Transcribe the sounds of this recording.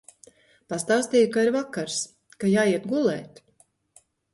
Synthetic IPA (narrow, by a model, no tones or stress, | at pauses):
past̪awst̪ʲiːjukaiɾvakːaɾs | kajaːjiɛt̪̚ɡulˠɛ̰ːt̪